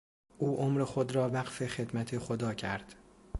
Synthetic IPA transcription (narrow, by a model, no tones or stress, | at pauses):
ʔuːʔomɾe̞xod̪ɾɒːvæɢfe̞xed̪mæt̪ʰe̞xod̪ɒːcʰæɾd̪̥